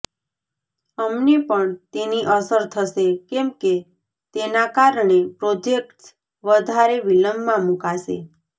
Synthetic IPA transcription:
əmnepəɳt̪eniʔəsəɾt̪ʰəʃekemke | t̪enakaɾɳepɾod͡ʒekʈs | ʋəd̪ʱaɾeʋiləmːãmũkaʃḛ

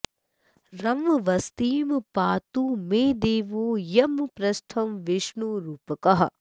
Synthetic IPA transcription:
ɾɐmʋɐʋɐst̪iːmpaːt̪umeːd̪eːʋoːjɐmpɾɐst̪ʰɐmʋiʃɳuɾuːpɐkɐɦɐ̰

